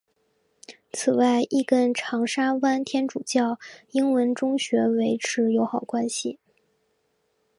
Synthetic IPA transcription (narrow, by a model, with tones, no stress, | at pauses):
t͡s̩ʰ˨˩wa˥˧ɪʔi˥˩kə˥˩nʈ͡ʂʰɑ˧˥ŋʂa˥wa˥nt̪ʰjɛ˥nʈ͡ʂu˨˩t͡ɕjɑ˥˩ʊi˥ŋwə˧˥nʈ͡ʂʊ˥ŋɕɥɛ˧˥we˧˥ɪʈ͡ʂʰɻ̩˧˥jo˧˥ʊxɑ˨˩ʊkwa˥nɕi˨˩